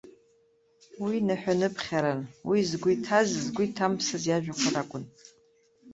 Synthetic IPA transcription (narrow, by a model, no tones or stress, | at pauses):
winaħʷᶣanɨpʰχʲaɾanwizɡʷʊitʰazzɡʷʊitʰampʰsazjaʒᶣaχʷʰaɾakʷʼʊn